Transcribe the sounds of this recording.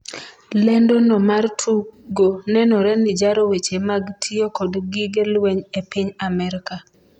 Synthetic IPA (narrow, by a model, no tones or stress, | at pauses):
lɛndonɔmartʰuɡonɛnɔɾɛnɪd͡ʒaɾowet͡ʃemaɡtʰiokodɡɪɡelweɲepiɲamɛɾɪka